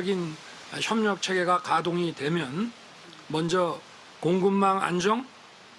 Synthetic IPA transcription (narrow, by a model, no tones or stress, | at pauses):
ʌɡin | ɕʰjʌmɲʌk̚t͡ɕʰe̞ɡe̞ɡakadoŋitwe̞mjʌn | mʌnd͡ʑʌ | koŋɡumːaŋa̰nd͡ʑʌŋ